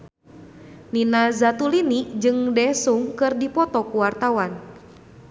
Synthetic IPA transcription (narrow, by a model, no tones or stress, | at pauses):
ninazat̪ulinid͡ʒɨŋdɛsuŋkɨrdipɔt̪ɔkuwart̪awan